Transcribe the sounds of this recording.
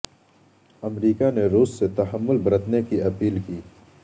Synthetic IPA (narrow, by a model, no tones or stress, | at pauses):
ɐmɾiːkaneɾuːsːet̪ɐɦəmːʊlbɐɾət̪nekiɐpiːlkiː